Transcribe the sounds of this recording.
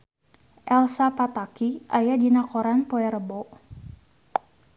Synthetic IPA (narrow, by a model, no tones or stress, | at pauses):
ʔɛlsapat̪akiʔajadinakɔɾanpoɛɾəbɔʔ